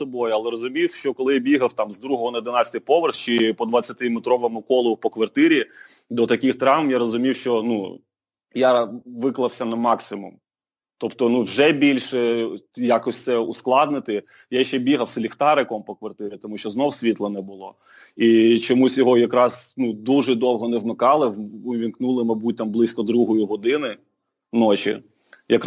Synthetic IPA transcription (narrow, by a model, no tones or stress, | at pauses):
sɔbɔjʊɐlˠɛɾɔzʊmʲiwʃt͡ʃɔkɔlˠɪjbʲiɦɐwt̪ɑmzd̪ɾuɦɔɦɔnɐd̪ɪnɑt͡sʲɐ̥t̪ɨɪjpɔʋerxt͡ʃɪpɔd̪ʋɐt͡sʲːɐt̪ɪmet̪ɾɔʋɐmʊkɔlˠɔpɔkʋɐrt̪ɪɾʲi | d̪ɔt̪ɐkɪxt̪ɾɑʋmjaɾɔzʊmʲiwʃt͡ʃɔnu | jaʋɪklˠɐwsʲɐnɐmɑksʲɪmum | t̪ɔpt̪ɔnuwʒɛbʲilʲʃɛjakɔsʲt̪sɛusklˠɑd̪nɪt̪ɪ | jaʃt͡ʃɛbʲiɦɐwslʲixt̪ɑɾɪkɔmpɔkʋɐrt̪ɪɾʲit̪ɔmuʃt͡ʃɔznɔwsʲʋʲit̪lˠɐnɛbʊlˠɔ | it͡ʃɔmusʲjɔɦɔjɐkɾɑsnud̪uʒɛd̪ɔwˠɦɔnɛʋmɪkɑlˠɪʊʋʲinknulˠɪmɐjbut̚ʲt̪ɐmblˠɪsʲkɔd̪ɾuɦɔjiɦɔd̪ɪnɪ | nɔt͡ʃḭ | jɐk